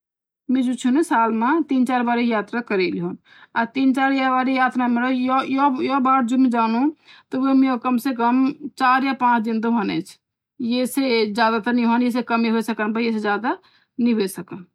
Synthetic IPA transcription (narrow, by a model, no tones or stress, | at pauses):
mẽd͡ʒut͡ʃʰunesalmet̪int͡ʃaɾbaɾijat̪ɾakəɾeliɦon | at̪int͡ʃaɾjabaɾijat̪ɾameɾəjɔjɔjɔbaɽd͡ʒobmẽd͡ʒanũt̪ɔʋemeokəmsekəmt͡ʃaɾjapãt͡ʃʰd̪ind̪oɦonɛ̰t͡ʃʰ | jesed͡ʒjad̪at̪əniɦonjes̬ekəmiɦojsəkənpəjes̬ed͡ʒjad̪a | niɦojsəkən